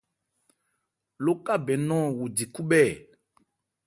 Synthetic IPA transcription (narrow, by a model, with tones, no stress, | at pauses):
lo˦ka˦bɛ˨nɔ̃˦˨wo˨di˨ku˦ɓɛ˦˨